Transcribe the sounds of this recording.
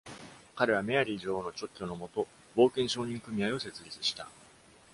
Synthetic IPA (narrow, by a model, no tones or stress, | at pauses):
kaɾe̞β̞ame̞aɾʲiʑo̞ːno̞t͡ɕo̞kʲːo̞no̞mo̞t̪o̞ | bo̞ːkẽ̞ɰ̃ɕo̞ːɲ̟ĩŋkɯ̟mʲiaio̞se̞t͡sɨɾʲit͡sɨ̥ɕi̥t̪a